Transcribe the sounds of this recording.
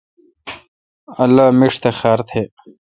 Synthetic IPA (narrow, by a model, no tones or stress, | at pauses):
ɐlːaːmiʂt̪exaːɾt̪ʰeː